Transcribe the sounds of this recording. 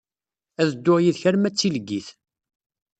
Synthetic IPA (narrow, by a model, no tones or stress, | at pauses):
æðəd̪ːʊʁjiðçæɾmæt͡sːiləɡːiθ